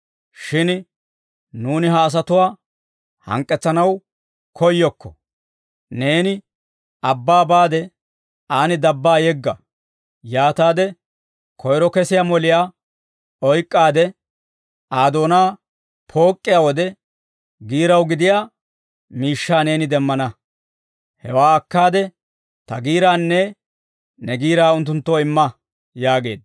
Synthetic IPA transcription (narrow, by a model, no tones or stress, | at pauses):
ʃɪn | nuːnɪɦɐːs̬ɐt̪ʊwaː | hɐ̰ŋkʼːɛt͡sːɐnɐw | kʰɔjːɔkːɔ̥̰ | ne̞ːnɪ | ɐbːaːbaːd̪ɛ | aːnɪd̪ɐbːaːjɛɡːɐ | jaːt̪aːd̪ɛ | kʰɔjɾɔkɛsɪjaːmɔlɪjaː | ɔjkʼːaːd̪ɛ | ʔaːd̪o̞ːnaː | pʰo̞ːkʼːɪjawɔd̪ɛ | ɡiːɾɐwɡɪd̪ɪjaː | miːʃːaːne̞ːnɪd̪ɛmːɐnɐ | hɛwaːɐkːaːd̪ɛ | t̪ɐɡiːɾaːnːɛ | nɛɡiːɾaːʊnt̪ːʊnt̪ːoːɪmːɐ | jaːɡe̞ːd̪